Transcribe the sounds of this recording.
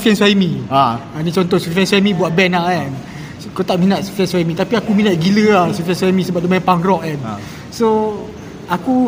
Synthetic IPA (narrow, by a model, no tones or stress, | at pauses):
fɛnswajmĩaanit͡ʃɔnt̪ɔsufɛnsamĩbuaʔ̪̚bɛnaan | kot̪aʔminaʔ̪̚sfɛnswajmĩt̪apiakuminat̪̚ɡiləlasufɛnswamĩsəbaʔ̚domãɛ̃npaŋrɔʔ̚an | so | aku